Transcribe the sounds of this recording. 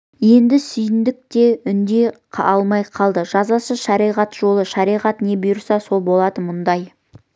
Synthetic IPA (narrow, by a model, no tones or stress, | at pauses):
je̞nd̪ɪsʏjɪnd̪ɪk̚t̪e̞ʏnd̪e̞qʰɑlˠmɑjqʰɑlˠd̪əʒɑzɑsəʃɑɾijʁɑt̪ʒ̥o̞lˠəʃɑɾijʁɑt̪ne̞bʊjʊɾsɑso̞lˠbo̞lˠɑd̪əmʊnd̪ɑj